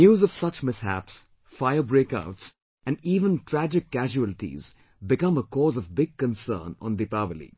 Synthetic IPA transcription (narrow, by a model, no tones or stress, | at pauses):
njuːzɔv̥sʌt͡ʃmɪshæ̰ps | faɪəbɾeːka̰ʊʈs | æ̃nɖiːʋə̃nʈɾæd͡ʒɪkːæʒuəlʈḭz | bɪkʌ̃məkɔːzɔvbɪɡ̚kə̃nsə̰ːnə̰̃nd̪ipaʋəlḭ